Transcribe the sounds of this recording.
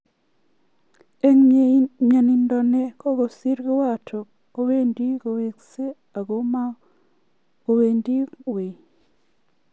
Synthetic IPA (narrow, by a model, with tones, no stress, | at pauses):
e˨ŋɲa˨ni˨ndo˨ne˨ko˦ɣo˨si˦ɾɡe˦wa˦˨tʰo˨ | o˨βe˦ndi˦ɣo˨we˨kse˦ | a˨ɣo˦ma˦ | o˨βe˨ndi˦we˨